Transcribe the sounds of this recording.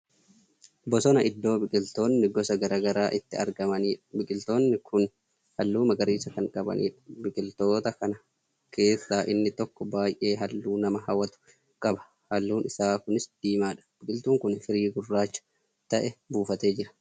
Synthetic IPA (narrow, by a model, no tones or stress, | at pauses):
bɔsɔnɐʔɪd̪ːo̞ːbɪkʼɪlt̪o̞ːnːɪɡɔsɐɡɐɾaːɡɐɾaːʔɪt̪ːɪɐ̰ɾɡɐmɐniːᶑɐ̥bɪkʼɪlt̪o̞ːnːɪkʰʊn | hɐlːuːmɐɡɐɾiːsɐkɐŋkʼɐbɐ̰nḭːᶑɐbɪkʼɪlt̪o̞ːt̪ɐkɐnɐ | kʰe̞ːsːaːʔɪnːɪt̪ɔkːɔbaːjʔe̞ːɦɐlːuːnɐmɐɦɐwɐt̪ʊ̥ | kʼɐbɐ̥ | hɐlːuːnɪsaːkʊnɪsd̪̥iːmaːᶑɐ̥b̥ɪkʼɪlt̪uːŋkʊnfɪɾiːɡʊrːaːt͡ʃːɐ̥ | t̪ɐʔɛbuːfɐt̪e̞ːd͡ʒɪɾɐ̥